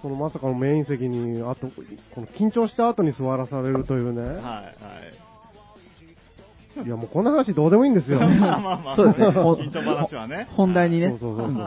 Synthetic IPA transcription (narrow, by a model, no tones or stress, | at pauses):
so̞no̞masakano̞me̞ːĩɰ̃s̬e̞kʲiɲ̟iat̪o̞ko̞no̞kʲĩɲ̟t͡ɕo̞ːɕi̥t̪aːt̪o̞ɲ̟isɨβaɾasaɾe̞ɾɯ̟t̪o̞jɯ̟ːne̞ | iamo̞ːko̞nːahanaɕ̬id̪o̞ːd̪e̞moĩnd̪e̞sɨjo̞soːd̪sõ | hõ̞nd̪aiɲ̟ineoːso̞ːsːoː